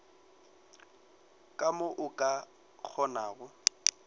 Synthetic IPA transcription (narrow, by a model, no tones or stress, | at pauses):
kʼamʊʔʊkʼa | k͡xʰɔnaːɣʊ